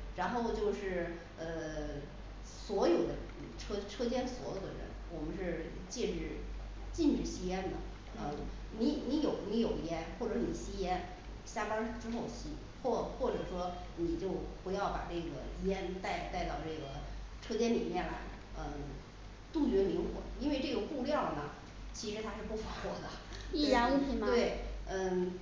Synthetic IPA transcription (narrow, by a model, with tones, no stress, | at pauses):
ɻa˧˥nxo˥˧ʊt͡ɕjo˥˧ʊʂɻ̩˥˩ | ə˧ | swɔ˧˥jo˨˩ʊd̪ə̰˧ʈ͡ʂʰɤ˥ʈ͡ʂʰɤ˥t͡ɕjɛ˥nswɔ˧˥jo˨˩ʊd̪ə̰˧ɻə̰˧˥nwɔ˨˩mə˦nʂɻ̩˥˧ | t͡ɕɛ˥˩ʈ͡ʂɻ̩˥˩ | t͡ɕi˥˧nʈ͡ʂɻ̩˨˩ɕi˥jɛ˥nd̪ə˨ | ə˧˩ | ni˧˥ni˧˥jo˨˩ʊni˧˥jo˨˩ʊi˧˥jɛ˥nxwɔ˥˩ʈ͡ʂɤ˧˥ni˨˩ɕi˥jɛ˥n | ɕja˥˩pə˥ʈ͡ʂɻ̩˥xo˥˩ʊɕi˧˥ | xwɔ˥˩xwɔ˥˩ʈ͡ʂɤ˨˩ʂwɔ˥ | ni˨˩t͡ɕjo˥˩ʊxe˧˥ɪjɑ˥˩ʊpa̰˨˩ʈ͡ʂɤ˥˩ɡə̰˩i˧˥ɛ˥nt̪a˥˧ɪt̪a˥˧ɪt̪ɑ˥˩ʊʈ͡ʂɤ˥˩ɡə˩ʈ͡ʂʰɤ˥t͡ɕjɛ˥nli˨˩mjɛ˥˩nla˥ɪ | ə˧˩ | t̪u˥˩t͡ɕɥɛ˧˥mi˧˥ŋxwɔ̰˨˩˦i˥nwe˥˧ɪʈ͡ʂɤ˥˩ɡə˩xu˥˧ljɑ˥˩ʊnə˩ | t͡ɕʰi˧˥ʂɻ̩˧˥t̪ʰa˥ʂɻ̩˥˧pu˥˩fa˧˥fɔ˧˥d̪ə˧t̪i˥˧ɑ˧˥i˧˩m˧t̪we˥˩ɪə˥˧˩